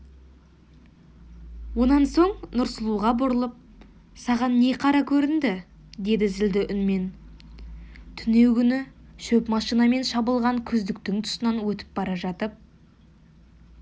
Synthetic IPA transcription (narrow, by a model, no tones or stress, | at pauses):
wo̞nɑnso̞ɴnʊɾsəlˠuʁɑbʊɾəlˠəp̚ | sɑʁɑnːe̞qʰɑɾɑkʲʰɵɾɪnd̪ɪ | d̪e̞d̪ɪzɪld̪ɪʔʏnme̞n | t̪ʰʏne̞wkʲʰʏnɪʃɵpmɑʃijnɑme̞nʃɑbəlˠʁɑŋkʲʰʏzd̪ɪkt̪ɪŋt̪ʰʊ̥sənɑnwɵt̪ɪ̥p̚bɑɾɑʒɑt̪əp̚